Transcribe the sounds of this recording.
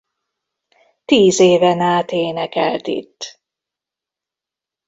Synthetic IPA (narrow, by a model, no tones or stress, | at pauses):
t̪iːzeːvɛnaːt̪eːnɛkɛ̰lt̪ḭt̪ː